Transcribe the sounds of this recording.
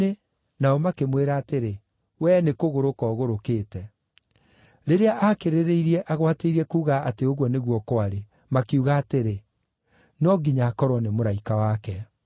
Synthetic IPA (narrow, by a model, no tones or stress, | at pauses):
e | naɔmakemweɾaːteɾe | wɛːnekoɣoɾokɔːɣoɾokeːtɛ | ɾeɾeaʔakeɾeɾeiɾiɛʔaɣwateiɾiɛkuːɣaateoɣwɔneɣwɔkoaɾe | makeuɣaːteɾe | nɔɡiɲaːkɔɾwɔnemoɾaikawakɛ